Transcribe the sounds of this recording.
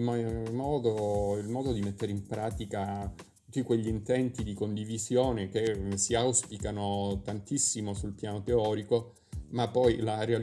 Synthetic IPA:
mɔmɔːd̪oilmɔːd̪od̪imet̪ːeɾeimpɾaːt̪ikatt̪ut̪ːikweʎːint̪ɛnt̪id̪ikond̪ivizjoːnek̟esiawspikanot̪ant̪isːimosulpjaːnot̪eɔːɾiko | mapːɔjlareal

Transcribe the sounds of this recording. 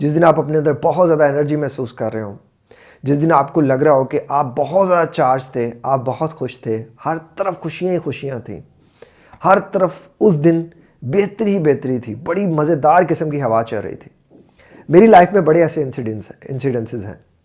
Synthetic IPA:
d͡ʒɪs̬d̪ɪnaːpɐpnẽɐnd̪əɾbɔɦɔt̪zjaːd̪aɛnəɾd͡ʒimɛɦsuːskɐɾːəɦeɦõː | d͡ʒɪsd̪ɪnaːpkolɐɡɾɐaɦokeʔaːp̚bɐɦɔt̪zjaːd̪at͡ʃaːɾd͡ʒt̪ʰeaːp̚bɐɦɔt̪xʊʃt̪ʰehɐɾt̪ɐɾəfxʊʃijãixʊʃijãt̪ʰḭ̃ː | hɐɾt̪ɐɾəf | ʊsd̪ɪn | beːt̪ɾiɦibeːt̪əɾit̪ʰiːbɐɽimɐzəd̪aːɾkɪsəmkiɦɐʋaːt͡ʃɐ̰lɾɐ̰ɦḭt̪ʰi̥ː | meːɾilaːɪfmẽbɐɽeɛːseɖnsɪ̰̃nsɪɖɛ̃nsɪzɦɛ̰̃ː

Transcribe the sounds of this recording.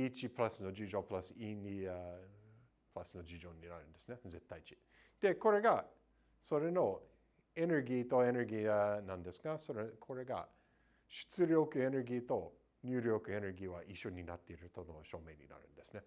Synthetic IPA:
it͡ʃipɯ̟lasɨno̞d͡ʒid͡ʒo̞ːpɯ̟lasɨinia | pɯlasɨno̞d͡ʒid͡ʒo̞ːɲʲina̰ɾɯ̟̃nd̪esɨneze̞t̪ːait͡ʃi̥ | d̪̥e̞ko̞ɾe̞ɡa | so̞ɾe̞no̞ | e̞ne̞ɾɡʲiːt̪o̞e̞ne̞ɾɡʲiːanãnd̪e̞sɨɡasoɾekʰo̞ɾe̞ɡa̰ | ɕɨ̥t͡sɨɾʲjo̞ːkɯ̟e̞ne̞ɾɡʲiːt̪o̞ | ɲʲjɨːɾʲjo̞ːkɯ̟e̞ne̞ɾɡʲiːβaʔiʃo̞ɲʲinat̪ːe̞iɾɯ̟t̪ono̞ɕo̞ːmeɲʲḭna̰ɾɯ̟̃nd̪e̞sɨne̞

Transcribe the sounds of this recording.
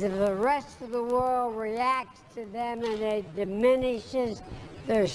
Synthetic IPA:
zʌvðəɹɛstʌvðəwɜ˞lˠd̚ɹiæk̚tstʰɨðɨ̃mɨ̃nɨdɨmɪnɪʃɪzðə˞

